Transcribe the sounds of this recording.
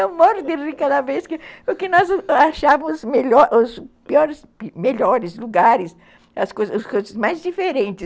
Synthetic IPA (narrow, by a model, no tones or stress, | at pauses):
emɔɾd̪ɪɾikad̪ɐveskɪʊkɪnɔzaʃamʊzmeʎɔʔʊspiɔɾɪspmeʎɔɾɪsluɡaɾɪs | ɐskojzɐʊskojzɐzmajzd͡ʒifeɾẽnt͡ʃɪ